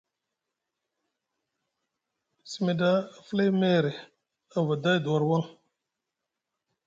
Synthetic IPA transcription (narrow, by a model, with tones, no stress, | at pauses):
si˨me˨da˦˨fle˦me˦ɾe˨ | a˨va˨da˦˨du˨a˨ɾwa˦ŋ